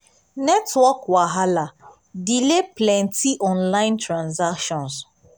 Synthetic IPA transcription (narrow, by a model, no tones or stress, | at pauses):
nɛtwɔkwaɦala | dileplɛ̃ntiʔɔ̃nlãɪ̃ntɹãnzakʃɔ̃ns